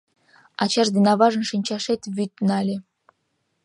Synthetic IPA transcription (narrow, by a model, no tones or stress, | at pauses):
ɑt͡ɕɑʃd̪enɑβɑʒɤ̆nʃinʲt͡ɕɑʃet̪βʲyt̪nɑlʲĕ